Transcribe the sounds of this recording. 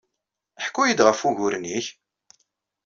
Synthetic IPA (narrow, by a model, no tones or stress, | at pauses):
əħkːujid̪ʁəfuʝʊɾniç